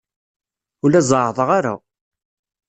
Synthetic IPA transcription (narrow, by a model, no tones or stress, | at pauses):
ʊlæzˤəʕðˤəʁaɾa̰